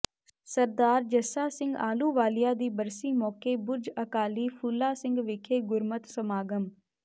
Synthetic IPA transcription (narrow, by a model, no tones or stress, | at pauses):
səɾd̪aːɾd͡ʒəsaːsɪ̃ŋɡa̰ːluːʋaːlɪjaːd̪iːbəɾsiːmɔːkeːbʊɾd͡ʒəkaːliːpʰulːaːsɪ̃ŋɡʋɪkʰeːɡʊɾmət̪səmaːɡəm